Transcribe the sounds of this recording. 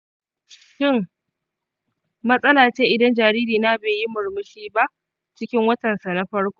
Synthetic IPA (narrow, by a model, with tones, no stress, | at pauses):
ʃɪ˦˨ŋ | mɐ˦sʼɐ˦laː˨t͡ʃeː˦ʔɪ˦dɐ˦nd͡ʒaː˨ɾiː˦ɾiː˨na˦beː˨ji˦mʊ˨ɽmʊ˦ʃiː˦ba˦ʔ | t͡ʃɪ˦kʲɪ˦ŋwɐ˦tɐ˨nsa˨na˦ɸɐ˦ɽkʷoː˦